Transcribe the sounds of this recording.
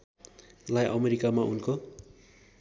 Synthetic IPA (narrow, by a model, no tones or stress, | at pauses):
lajʔʌmeɾikamaʔunko